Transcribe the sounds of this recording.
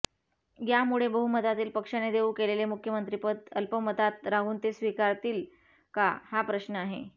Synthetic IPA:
ɡjamuɭebəɦumət̪at̪iːlpəkʂaned̪eũkelelemukʰjəmənt̪ɾipət̪əlpəmət̪at̪ɾaɦuːnt̪esʋikaɾt̪iːl | kahapɾəɕnəaɦḛ

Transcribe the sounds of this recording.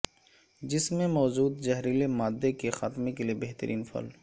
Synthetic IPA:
d͡ʒɪsmẽmɔːd͡ʒuːd̪d͡ʒɐɦɾilemaːd̪ːekexaːt̪mekeliebeɦt̪əɾʔiːnfɐ̰l

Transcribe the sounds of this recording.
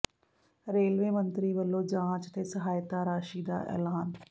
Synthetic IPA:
ɾeːlʋeːmənt̪ɾiːʋəlːõːd͡ʒãːt͡ʃt̪eːsəɦaːjt̪aːɾaːʃiːd̪a̰ːʔɛ̰ːlaːn

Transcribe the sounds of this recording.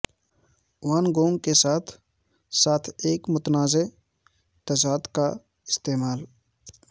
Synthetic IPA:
waːnɡoːŋɡ̚kesaːt̪ʰ | saːt̪ʰeːkmʊt̪naːze | t̪ɐsaːd̪ka | ɪst̪eːmaːl

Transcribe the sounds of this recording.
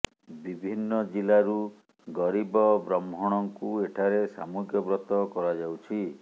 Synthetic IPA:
bibʱinːɔd͡ʒilaɾu | ɡɔɾibɔbɾɔmʱɔɽ̃ɔŋkueʈʰaɾesa̰muɡjɔbɾɔt̪ɔkɔɾad͡ʒawt͡ʃʰi

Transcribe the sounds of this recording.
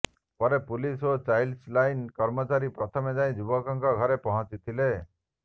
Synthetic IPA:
pɔɾepulisot͡ʃajlslajnkɔɾmɔt͡ʃaɾipɾɔt̪ʰɔmed͡ʒaĩd͡ʒubɔkɔŋkɔɡʱɔɾepɔɦɔ̃t͡ʃit̪ʰile

